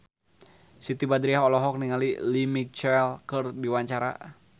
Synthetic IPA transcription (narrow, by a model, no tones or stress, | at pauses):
sit̪ibad̪ɾiaɦɔlɔɦɔk̚niŋalilimit͡ʃɛlkərdiwaɲt͡ʃaɾa̰